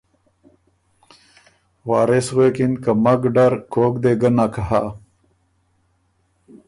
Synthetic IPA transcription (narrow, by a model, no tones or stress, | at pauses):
waːɾeswekinkəmaɡɖaɾkʰoːkd̪eɡənakəɦa